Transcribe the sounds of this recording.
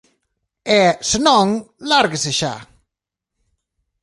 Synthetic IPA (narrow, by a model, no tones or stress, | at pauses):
ɛsenɔ̃ŋlaɾɡeseʃa̰